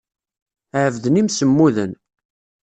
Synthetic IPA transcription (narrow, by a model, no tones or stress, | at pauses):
ʕəvðnimsəmːuðən